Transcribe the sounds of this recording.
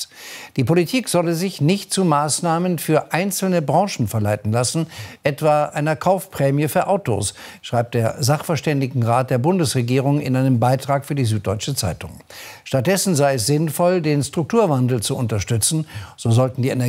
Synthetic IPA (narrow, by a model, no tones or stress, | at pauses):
d̥iːpʰolitʰiːkz̥ɔləzɪçnɪçt̚t͡sumaːsnaːmənfyːɐʔaɪnt͡sl̩nəbʁɑ̃ʃn̩fɛɐlaɪtn̩lasn̩ʔɛtv̥aːʔaɪnɐkʰaʊfpʁ̥ɛːmjəfyːɐʔaʊto̰ːsʃʁ̥aɪp̚td̥eːɐzaχfɛɐʃtɛndɪɡŋ̩ʁaːt̚d̥eːɐbʊndəsʁeɡiːʁ̞ʊŋɪ̰nʔaɪnəmbaɪtʁ̥aːkfyːɐdiːzyːt̚d̥ɔʏt͡ʃət͡sa̰ɪtʊ̰ŋ | ʃtat̚d̥ɛsn̩zaɪɛs̬z̥ɪnfɔldeːnstʁ̥ʊk̚tʰuːɐvandl̩t͡suʊntɐʃtʏt͡sn̩z̥oːzɔltn̩diːʔenɛ